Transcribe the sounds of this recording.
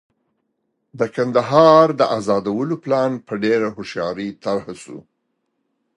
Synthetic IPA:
d̪əkand̪aɦɑɾd̪əʔazɑd̪awəloplɑnpəɖeɾahʊʃjɑɾit̪aɾhasṵ

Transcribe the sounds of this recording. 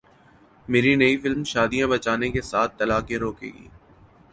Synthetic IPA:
meːɾinɐifɪlmʃaːd̪ijãbɐt͡ʃaːnekesaːt̪̚ʰːɐlaːkẽɾoːkḛːɡḭː

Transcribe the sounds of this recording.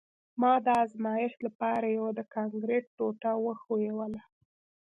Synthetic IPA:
mɑd̪əazmɑjɪʃlapɑɾajawad̪əkɑŋɡɾeʈ̚ːoʈawəxojewəla

